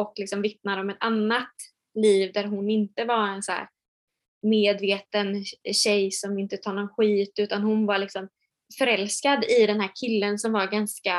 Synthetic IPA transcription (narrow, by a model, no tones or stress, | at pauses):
ɔklɪksɔmvɪt̪̚nad̪əɔmɛt̪anːat̪ | liːvd̪æɾɦʊnɪnt̪əvaɾɛnsæ̰ːɾ | meːd̪veːt̪ənɕɛjsɔmɪnt̪ət̪ʰɑːɳɔnɧiːt̪ʉ̟ːt̪anɦʊnvaɾɭɪksɔm | fœɾɛlskad̪ɪd̪ɛnhɦæːɾkʰɪlːənsɔmvaɾɡanska